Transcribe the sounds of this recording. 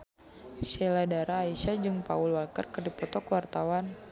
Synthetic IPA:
ʃɛladaɾaːiʃad͡ʒɨŋpa̰ulwalkərkɨrdipɔt̪ɔkəwart̪awan

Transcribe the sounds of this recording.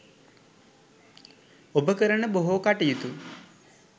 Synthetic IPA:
obəkəɾəɳəboɦukaʈijut̪u

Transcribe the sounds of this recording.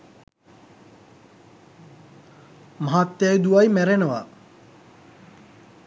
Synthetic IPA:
maɦat̪ːjajd̪uʋajmæɾenəʋa

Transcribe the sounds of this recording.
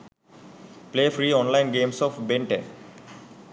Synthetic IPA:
pleːfɾiːɔ̃ːnlãɪnɡẽːmsɔːfbẽɳʈḛ̃n

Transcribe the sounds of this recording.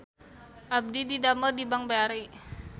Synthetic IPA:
ʔab̚dididamərdibaŋbaaɾi

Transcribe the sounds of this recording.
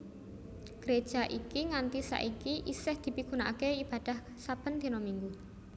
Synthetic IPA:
ɡ̥əɾed̥ʒ̥aʔikiŋant̪isa̰ʔikiʔisɪhd̪̥i̤piɡ̥una̰ʔkeib̥a̤d̪̥ah | sab̥ə̤nt̪inɔmiŋɡu

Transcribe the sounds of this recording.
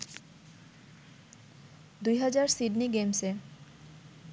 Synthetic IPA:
d̪ujɦad͡ʑaɾsiɖniɡemse

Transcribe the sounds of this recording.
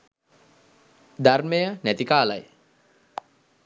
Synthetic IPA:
d̪armejənæt̪ikaːla̰j

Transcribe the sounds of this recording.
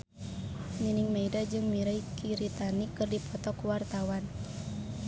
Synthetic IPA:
niniŋmeidad͡ʒɨŋmiɾaijkiɾit̪anikɨrdipɔt̪ɔkuwart̪awan

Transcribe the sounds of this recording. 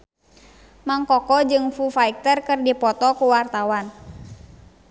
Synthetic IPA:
maŋkɔkɔd͡ʒɨŋfufaik̚t̪ərkɨrdipɔt̪ɔkuwart̪awan

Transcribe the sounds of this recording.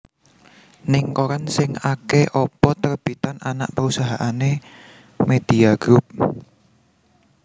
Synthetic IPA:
nɪŋkoɾansɪŋakeʔɔpɔt̪ərb̥it̪anana̰ʔpəɾusaɦaʔane | med̪̥iaɡ̥ɾup̚

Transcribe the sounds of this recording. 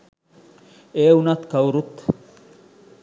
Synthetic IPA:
ʔeːʊnɐt̪kɐwʊɾʊt̪ː

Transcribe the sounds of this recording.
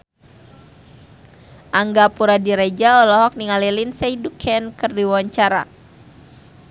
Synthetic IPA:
ʔaŋɡapuɾadiɾed͡ʒaɔlɔɦɔk̚niŋalilinseidukʰɛnkɨrdiwawaɲt͡ʃaɾa̰

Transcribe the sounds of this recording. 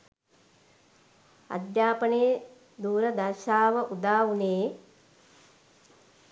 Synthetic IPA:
ɐ̰d̪jaːpɐneː | d̪uːɾɐd̪ɐɾʃaːʋɐʔud̪aːuneː

